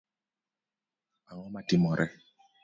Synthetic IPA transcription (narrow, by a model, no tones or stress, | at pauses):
aŋɔmatimɔɾɛ